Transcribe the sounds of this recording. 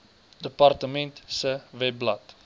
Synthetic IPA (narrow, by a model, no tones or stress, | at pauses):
dəpart̪əmɛ̃ntsəvɛblɐt